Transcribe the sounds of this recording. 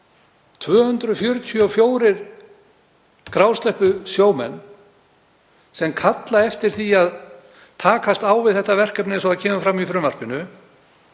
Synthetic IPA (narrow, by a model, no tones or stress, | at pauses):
t̪ʰvœːhʏnt̪ɾʏfjœɾʏt̪ʰiɔfjoːwɾɪɾ̥ | kɾaːwst̪lɛhpʏsjoːwmɛ̰nː | sɛmkʰat̪laɛft̪ɪɾ̥θiað | t̪ʰaːkast̪aːwvɪðθɛht̪avɛr̥kœpnɪsaaðcʰɛːmafɾamːifɾʏmar̥pɪnʏ